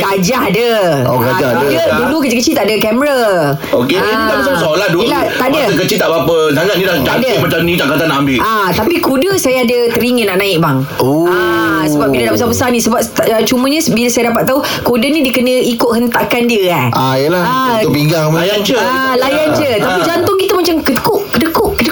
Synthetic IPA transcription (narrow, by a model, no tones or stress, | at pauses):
ɡad͡ʒaɦdə | o̰ɡad͡ʒaddə | dulukəd͡ʒəkət͡ʃilt̪aʔdəkɛməɾa | oke | abəsasoladulat̪aʔdaəək̬ət͡ʃilt̪aʔbapəɡaɡanidad͡ʒadəmat͡ʃamnĩt̪aʔkat̪anaʔambɪlʔat̪apikudəsajaadət̪əɾiŋənaʔnãɪk̚baŋ | oasəbap̚ɡiladaʔbəsabəsanĩsəbap̪̚ːt͡ʃuməɲãsbilasajadapat̪ːau | kodənĩdiəkənə̃ikʊʔ̪ɦənt̪akandiəaʔajəlaaopiŋɡaŋlajand͡ʒəalajand͡ʒət̪apid͡ʒant̪ʊŋkit̪əmãt͡ʃamkədəkʊʔkədəkʊʔkədə